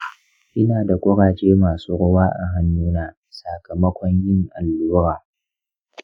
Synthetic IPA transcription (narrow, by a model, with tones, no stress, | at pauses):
ʔɪ˦naː˨da˨kʷʼʊ˦ɽaː˨t͡ʃeː˦maː˨suː˦ɽʊ˦waː˦ʔa˨ɦa˦nːuː˦naː˦ | sa˨kʰɐ˨mɐ˦kʷɔ˦ɲjɪ˦ŋʔa˨lːuː˦ɾaː˨